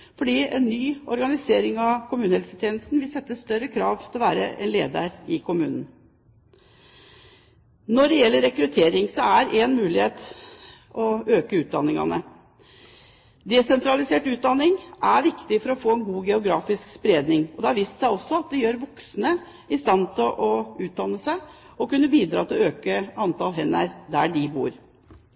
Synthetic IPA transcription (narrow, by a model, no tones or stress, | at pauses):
fɔɖiːɛ̰nːyːɔɾɡɑnɪseːɾɪŋɑʋkʰʊmʉːnəhɛlsət̪ʰeːnəst̪nʋɪlsɛt̪ːəst̪œɾəkʰɾɑːʋt̪ʰɪlɔʋæ̰ːɾə̰ʔɛ̰nleːd̪ə̰ɾɪkʰʊmʉːnn̩ | nɔɖɛjɛlːəɾɛkɾʉt̪ʰeːɾɪŋsɔæɾʔɛnmʉːlɪheːt̪ | ɔøːkəʉːt̪̚d̪ɑ̰nːɪŋɑ̰nə | d̪ɛsɛnt̪ɾɑlɪseːʈʉːt̪̚d̪ɑnːɪŋʔæɾʋɪkt̪ɪfɔɾɔfoːɛnɡuːɡɛʊɡɾɑːfɪskspɾeːd̪nɪŋɔd̪ɛæɾʋiːst̪sæɪɔsːɔɑt̪̚d̪ɛjøːɾʋɔksnə | ɪst̪ɑnt̪ʰɪlʔɔʉːt̪̚d̪ɑnːəsæɪ | ɔkʉnːəbiːd̪ɾɑ̰ːt̪ʰɪløːkəɑnt̪ʰɑlɦɛnːæ̰ɾd̪æ̰ɖɪbṵːɾ